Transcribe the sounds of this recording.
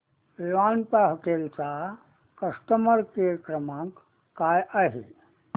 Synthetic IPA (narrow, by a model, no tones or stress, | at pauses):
ʋeʋaːnpaɦɐkeːlt͡sa | kɐsʈəməɾkekɾɐmãːŋkː | aːjʔaɦḛ